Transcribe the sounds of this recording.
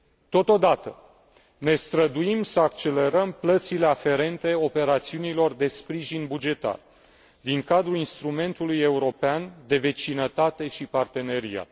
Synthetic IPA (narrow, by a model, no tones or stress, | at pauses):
t̪o̞t̪o̞d̪at̪ə | ne̞st̪ɾəd̪uimsəak̚t͡ʃe̞le̞ɾəmplət̪sile̞afe̞ɾe̞nt̪e̞o̞pe̞ɾat̪siunilo̞rd̪e̞spɾiʒinbud͡ʒe̞t̪a̰r | d̪iŋkad̪ɾuinst̪ɾume̞nt̪uluje̞uɾo̞peand̪e̞ve̞t͡ʃinət̪at̪e̞ʃipart̪e̞ne̞ɾia̰t̪